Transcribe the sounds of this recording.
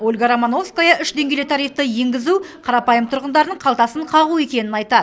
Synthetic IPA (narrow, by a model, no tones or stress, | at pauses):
olʲɡaɾamono̞fskojɑʔʏʃd̪e̞ŋɡʲelet̪ʰɑɾijft̪əje̞ŋɡʲɪzuqʰɑɾɑpɑjəmt̪ʰʊɾʁənd̪ɑɾənəɴqʰɑlˠt̪ɑsəɴqʰɑʁue̞kʲe̞nɪnɑjt̪ɑd̪